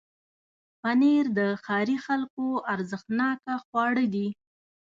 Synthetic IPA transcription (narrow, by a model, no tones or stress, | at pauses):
paneɾd̪əxɑɾixalkoaɾzəxt̪nɑkaxwɑɽəd̪i